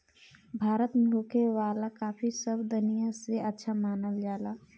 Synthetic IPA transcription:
bʱaːɾət̪mẽɦoːkʰewaːlakaːpʰisəbd̪ʊnijaseətːʃʰamaːnəld͡ʒaːlaː

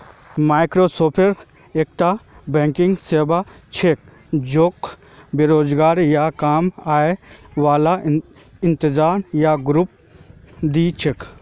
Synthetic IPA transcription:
maːɪkɾoːsoːpʰeɾ | eːk̚ʈ̪abɛ̃ːŋkɪ̃ŋɡseːba | t͡ʃʰek̚ | d͡ʒok | beɾoːd͡ʒɡaːɾjakaːmaːeʋaːla | ɪ̃nt̪ɪzaːmjaɡɾʊp̚ | d̪iːt͡ʃʰek

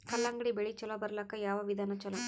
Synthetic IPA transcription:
kɐlːaːŋɡɐɽibeɭit͡ʃɔlɐbɐɾlɐkːɐjaːʋɐʋid̪ʱaːnɐt͡ʃɔlɐm

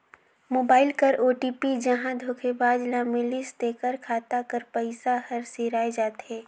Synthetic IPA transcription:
moːbaːɪlkɐɾoːʈiːpid͡ʒɐɦãd̪ʱoːkʰebaːd͡ʒlaːmɪlɪst̪eːkəɾkʰaːt̪akɐɾpəɪsahɐɾseɾaːed͡ʒaːt̪ɦɛ̃ː

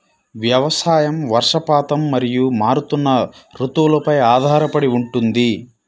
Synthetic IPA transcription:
ʋjɐʋɐsaːjɐmʋɐɾʂɐpaːt̪ɐmːɐɾijumaːɾut̪unːɐɾut̪ulɐpɐjaːd̪ʱaːɾɐpɐɽiuɳʈund̪i

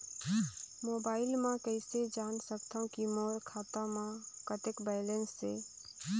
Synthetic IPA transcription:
moːbaːɪlmãkəɪsed͡ʒaːnsəkt̪ʰaũkimoːɾkʰaːt̪ãmãkət̪ekbɛːlensːe

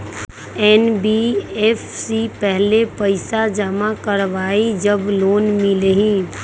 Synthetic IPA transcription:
ɛːnbieːfsipɛɦlepəɪsad͡ʒəmakəɾʋaːid͡ʒəbloːnmɪleɦĩː

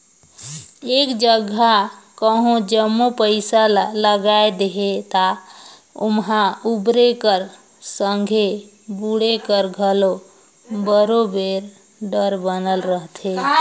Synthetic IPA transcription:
ekd͡ʒəɡakəɦõd͡ʒəmːopəɪsalaləɡaed̪eɦet̪a | ṵmɦaubɾekəɾ | səŋɡʱe | buɽekəɾɡʱəlo | bəɾobeɾ | ɖəɾbənəlɾəɦt̪ʰe

